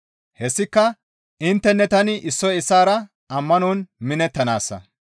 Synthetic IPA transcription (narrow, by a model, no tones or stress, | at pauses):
hɛsːɪkːɐ | ʔɪnt̪ːɛnːɛt̪ɐnɪʔɪsːɔjɪsːaːɾɐ | ɐmːɐnɔnmɪnɛt̪ːɐna̰ːsːɐ̰